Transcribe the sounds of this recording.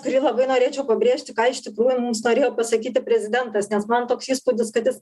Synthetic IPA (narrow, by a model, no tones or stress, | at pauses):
kʊɾʲiːlˠɐbɐɪnoːɾʲeːt͡ʃʲɛʊpɐbʲɾʲeːʃʲt̪ʲɪkɑːɪʃʲt̪ʲɪkɾuːjʊmʊmsnoːɾʲeːjoːpɐsɐkʲiːt̪ʲɪpʲɾʲɛzʲɪd̪ʲɛnt̪ɐsnʲɛsmɐnt̪oːksiːspud̪ʲɪskɐt̪ʲɪs